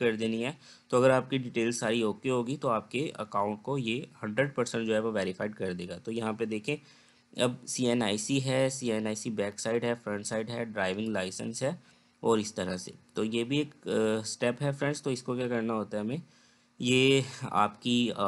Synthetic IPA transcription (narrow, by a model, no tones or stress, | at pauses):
kɐɾd̪eːniɦɛ | t̪oɐɡəɾaːp̚kiɖɪʈeːlzsaːɾiɦoːkeɦoːɡit̪oaːp̚keɐ̰kãːʊ̃ɳʈ̚kojehɐ̃ɳɖɾəɖ̚pɐɾsə̃ɳʈ̚d͡ʒoːɦɛʋoʋɛːɾɪfaːɪɖ̚kɐɾd̪eːɡaːt̪ojɐɦãped̪eːkʰẽ | ɐbsiːɛnaːɪsiɦɛsiːɛnaːɪsibɛːksaːɪɖɦɛfɾə̃ɳʈsaːɪɖɦɛɖɾaːɪʋɪ̃ŋɡlaːɪsə̰̃nsɦɛː | ɔːɾɪst̪ɐɾasḛt̪ojebʱieːksʈɛpɦɛfɾɛ̃ɳst̪oɪskokjaːkɐɾnaɦoːt̪aɦɛmẽ | jeːa̰ːpki